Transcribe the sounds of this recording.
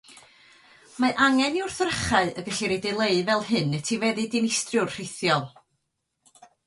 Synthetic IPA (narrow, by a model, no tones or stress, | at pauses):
maʔaŋɛniʊrθrəχaɨəɡəɬiɾɛdɪlˠeɨvɛlˠhɨnːɛtʰivɛðɨdɪnɪstrjʊrr̥ɪθjɔlˠ